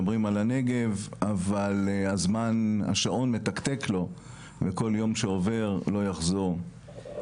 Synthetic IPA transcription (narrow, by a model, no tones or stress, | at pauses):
bʁimalane̞ɡe̞vavalazmana̰ʃaʔo̞nmet̪akt̪e̞klo̞ | veko̞ljo̞mʃeo̞ve̞ʁlo̞jaχzoʁ